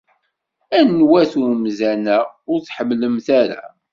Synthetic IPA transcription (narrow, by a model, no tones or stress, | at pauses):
ænːwæθuɾmzænæʊɾθħəmːləmθæɾa̰